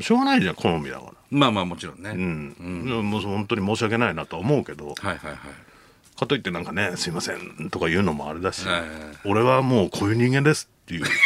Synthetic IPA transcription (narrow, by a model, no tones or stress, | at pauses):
ɕo̞ːɡanaiʑãŋkʰonomʲid̪a̰ka̰ɾamaːmaːmot͡ɕiɾõnːeɯ̟̃ɴjamohõnt̪oɲ̟imo̞ːɕiak̬e̞nainat̪o̞aomo̞ɯ̟ke̞d̪o̞̰hajhajhaj | kʰat̪o̞it̪ːe̞nãŋkane̞sɨimasḛ̃nt̪o̞kajɯ̟ːnomo̞a̰ɾe̞d̪aɕio̞ɾe̞βamo̞ːkʰo̞ːjɯ̟ːɲ̟ĩŋɡend̪esɨ̥t̪ːe̞jɯ̟ː